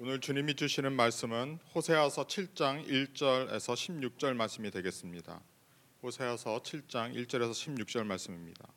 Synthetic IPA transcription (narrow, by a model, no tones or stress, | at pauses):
onɯɭt͡ɕuɲimid͡ʑuɕʰinɯnmaɭs͈ɯmɯnɸosʰe̞ʌsʰʌt͡ɕʰiɭt͡ɕ͈aŋiɭt͡ɕ͈ʌɾe̞̰sʰʌɕʰimɲuk̚t͡ɕ͈ʌɭmaɭs͈ɯmidwe̞ɡe̞s͈ɯmɲida̰ | ɸosʰe̞ʌsʰʌt͡ɕʰiɭt͡ɕ͈aŋiɭt͡ɕ͈ʌɾe̞sʰʌɕʰimɲuk̚t͡ɕ͈ʌɭmaɭs͈ɯmimɲida̰